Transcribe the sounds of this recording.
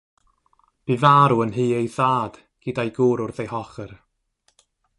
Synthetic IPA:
b̥ivaɾuənɦiːejðaːd̥ | ɡ̥idajɡuːɾʊrðejɦɔχər

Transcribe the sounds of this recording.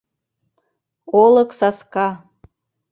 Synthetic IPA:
olˠɤ̆ksaskɑ

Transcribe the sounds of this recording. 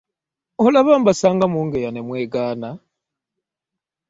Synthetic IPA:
olaβambasaːŋɡamuːŋɡejanemweːɡaːna

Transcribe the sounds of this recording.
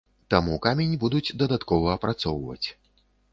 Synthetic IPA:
t̪amukamʲenʲibud̪ud͡zʲd̪ɐd̪at̪kɔvɐːpɾat̪sɔwvɐ̰t͡sʲ

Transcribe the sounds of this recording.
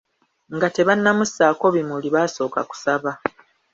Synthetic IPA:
ŋɡate̞βanːamusaːko̞βimuliβaːso̞ːka̰ku̥saβa

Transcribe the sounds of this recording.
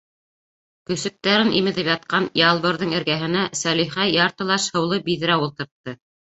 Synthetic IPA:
kɵ̆sɵ̆k̚t̪æɾɘnʔimɘ̆ðɘpjɑt̪̚qɑnjɑlˠβɤ̆ɾðɤɴɘ̆ɾɡæɦɘ̆næsæliχæjjːɑɾt̪ɤ̆lˠɑʃhɤ̆wlˠɤbiðɘ̆ɾæwulˠt̪ɤ̆ɾt̪ːɤ

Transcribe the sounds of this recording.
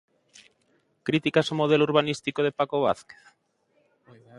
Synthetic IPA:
kɾit̪ikasomoð̞elouɾβanist̪ikoðepakoβ̞a̰θke̥θ

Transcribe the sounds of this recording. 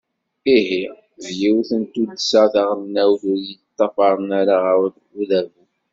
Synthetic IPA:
iɦi | ðjiwθənt̪ud̪sɑθɑʁəmnæwθʊɾjət̪ˤːɑfɑɾˤnaɾaʁawθ | uðævu

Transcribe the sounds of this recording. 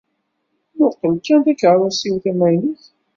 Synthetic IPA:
nʊqːəlkænðækɾˤɑsiwθæmæjniç

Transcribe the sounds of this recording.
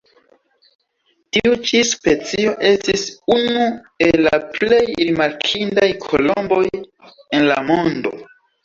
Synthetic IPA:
tiut͡ʃispe̞t͡sio̞ʔe̞stisunu | e̞la̰ple̞jɾimaɾkʰindajkʰo̞lo̞mbo̞j | e̞nla̰mo̞ndo̞̰

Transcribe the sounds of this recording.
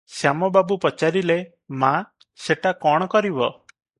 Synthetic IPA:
sjamɔbabupɔt͡ʃaɾile | ma | seʈakɔɽ̃ɔkɔɾibɔ

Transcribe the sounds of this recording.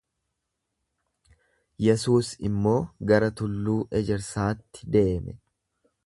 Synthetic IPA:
jɛsuːsɪmːo̞ːɡɐɾɐt̪ʊlːuːʔɛd͡ʒɛɾsaːt̪ːɪ̥d̪e̞ːmɛ

